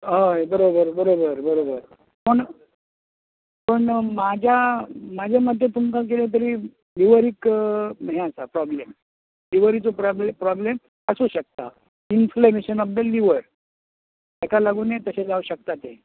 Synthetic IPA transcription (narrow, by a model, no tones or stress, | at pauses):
ɦəjbəɾobəɾbəɾobəɾbəɾobəɾ | pəɳ | pəɳmad͡ʑʱamad͡ʑʱamad̪ʱjet̪umkak̬eljat̪̬əɾiː | liʋəɾikmɦẽasapɾɔblem | liʋəɾit͡sopɾɔblepɾɔblem | əsuɕək̚t̪a̰ | inflemeɕənɔfd̪əlːiʋəɾ | akalaɡuːnet̪əɕed͡zauɕək̚t̪at̪e